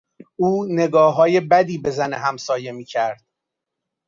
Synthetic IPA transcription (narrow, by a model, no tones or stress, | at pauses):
ʔuːne̞ɡɒːɦɒːje̞bæd̪iːbe̞zæneɦæmsɒːje̞miːcʰæɾd̪̥̚